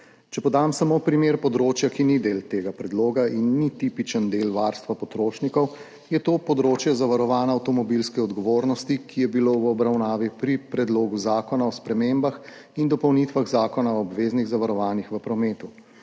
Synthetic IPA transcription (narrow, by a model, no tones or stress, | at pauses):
t͡ʃɛpɔd̪amsamoːpɾimeːɾpɔd̪ɾoːt͡ʃjakinid̪eːlt̪eːɡapɾɛd̪loːɡaʔinːit̪ipit͡ʃənd̪elʋaɾst̪ʋapɔt̪ɾoːʃnikɔw | jɛt̪oːpɔd̪ɾoːt͡ʃjɛzaʋaɾɔʋaːnaːwt̪ɔmɔbilskɛɔd̪ɡɔʋoːɾnɔst̪ikʰijɛbilowɔbɾawnaːʋipɾipɾɛd̪loːɡuzaːkɔnaɔspɾɛmeːmbax | ind̪ɔpɔwnit̪ʋaɣzaːkɔnaɔːbʋeːzniɣzaʋaɾɔʋaːnixʋəpɾɔmeːt̪u